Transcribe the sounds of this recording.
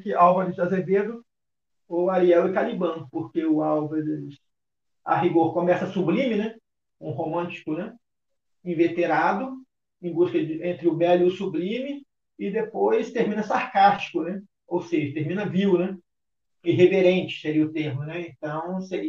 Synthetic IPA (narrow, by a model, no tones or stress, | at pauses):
kɪʔawvɐɾɪʃaseɾved̪ʊ | oaliɛwɪkalibɐ̃poɾkeʊawvɐɾɪs | a̰ɦiɡoɾkomɛsɐsublĩmɪnɛ | ũɦomɐ̃t͡ʃi̥kʊnɛ | ĩvet̪eɾad̪ʊ | ẽj̃buskɐd͡ʒɪẽnt̪ɾɪʊvɛlʊʊsublĩmɪ | ɪd̪epojst̪eɾmĩnɐsaɾkast͡ʃi̥kʊnɛ | owseʒɐt̪eɾmĩnɐviwnɛ | ɪɦeveɾẽt͡ʃɪ̥seɾiʊt̪eɾmʊnɛẽnt̪ɐ̃w̃se